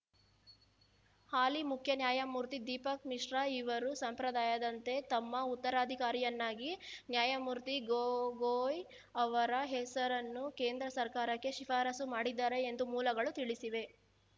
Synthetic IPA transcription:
haːlimukʰjɐnjaːjɐmuːɾt̪id̪iːpɐkmiʂɾɐiʋɐɾusɐmpɾɐd̪aːjɐd̪ɐnt̪e̞t̪ɐmːɐut̪ːɐɾaːd̪ʱikaːɾijɐnːaːɡinjaːjɐmuːɾt̪iɡoɡoːj | ɐʋɐɾɐɦɛsɐɾɐnːukeːnd̪ɾɐsɐɾkaːɾɐkːe̞ʃifaːɾɐsumaːɽid̪ːaːɾe̞ːnd̪umuːlɐɡɐɭut̪iɭisiʋe̞

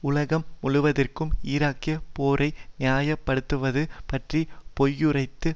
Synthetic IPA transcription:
ʊlɐɣɐmːʊɻʊʋɐðɪrkɯmiːɾaːkːɪjɐpoːɾɐɪnɪjaːjɐpːɐɽɯt̪ːɯʋɐðɯpɐʈripɔjːɯrɐɪt̪ːɯ

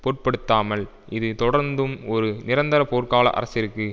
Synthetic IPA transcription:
poːʈ̚pɐɽɯt̪ːaːmɐl | ʔɪðɯt̪ɔɽɐɾnd̪ɯmɔɾɯnɪɾɐnd̪ɐɾɐpoːrkaːlɐ̰ʔɐ̰ɾɐsɪɾɯkːɯ

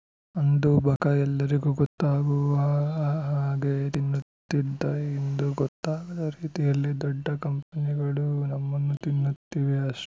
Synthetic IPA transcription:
ɐnd̪ubʱɐkɐɛlːɐɾiɡuɡɔt̪ːaːɡuʋɐɦaːɡet̪inːut̪ːid̪ːɐend̪uɡɔt̪ːaːɡɐd̪ɐɾiːt̪ijɐlːid̪ɔɖːɐkɐmpɐniɡɐɭunɐmːɐnːut̪inːut̪ːiːʋeɐʂ

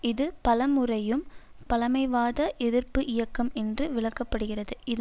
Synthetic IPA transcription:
ɪðɯpɐlɐmɯrɐjɯm | pɐlɐmɐɪʋaːðɐʔɛðɪrpɯʔɪjɐkːɐmɛndrɯʋɪɭɐkːɐpːɐɽɯɣɪrɐðɯɪð

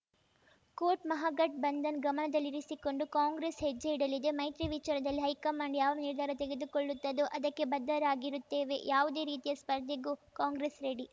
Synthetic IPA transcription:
koːʈmɐɦaɡɐʈ̚bɐnd̪ɐnɡɐmɐnɐd̪ɐlːiɾisiko̞ɳɖukaːŋɡɾesɦed͡ʒːɐiɽɐlːid̪emɐjt̪ɾiʋit͡ʃaːɾɐd̪ɐlːiɦɐjkɐmaːɳɖjaːʋɐɾɐniɾd̪ʱaːɾɐt̪eɡe̞d̪ukoɭːut̪ːɐd̪uʔɐd̪ɐkːe̞bɐd̪ːɐɾaːɡiɾut̪ːe̞ːʋe̞jaːʋud̪e̞ːɾiːt̪ijɐspɐɾd̪ʱjɐɡuːkaːŋɡɾeːsɾeɽi

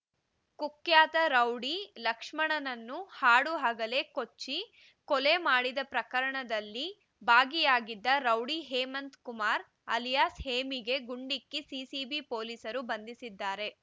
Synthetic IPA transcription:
kukjaːt̪ɐɾɐwɽilɐkʂmɐɳɐnɐnːuhaːɽuɦaːɡɐle̞ko̞t͡ʃːi | kɔle̞maːɽid̪ɐpɾɐkɐɾɐɳɐd̪ɐlːi | baːɡijaːɡid̪ːɐɾɐwɽiɦeːmɐnt̪kumaːɾ | ɐljaːsheːmiɡe̞ɡuɳɖikːisiːsiːbipoːlisɐɾubɐnd̪isid̪ːaːɾe̞

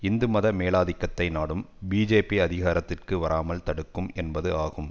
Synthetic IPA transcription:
ɪnd̪ɯmɐðɐmeːlaːðɪkːɐt̪ːɐɪnaːɽɯmbiːd͡ʒeːpiɐðɪɣaːɾɐt̪ːɪrkɯʋɐɾaːmɐlt̪ɐɽɯkːɯmɛnbɐðɯaːɣɯm

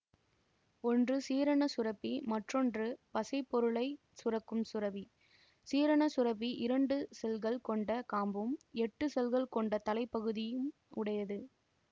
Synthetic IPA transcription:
ɔndrɯsiːɾɐɳɐsʊrɐpːimɐʈrɔndrɯpɐsɐɪpːɔɾɯɭɐɪ | sʊrɐkːɯmsʊɾɐʋi | siːɾɐɳɐsʊɾɐpːiʔɪɾɐɳɖɯsɛlɣɐɭkɔɳɖɐkaːmbɯmɛʈːɯsɛlɣɐɭkɔɳɖɐt̪ɐlɐɪpːɐɣɯðɪjɯm | ʊɽɐjɐðɯ

